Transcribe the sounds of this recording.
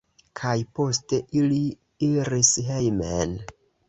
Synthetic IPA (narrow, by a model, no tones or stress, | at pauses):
kʰajpo̞ste̞ʔili | iɾisɦe̞jmḛn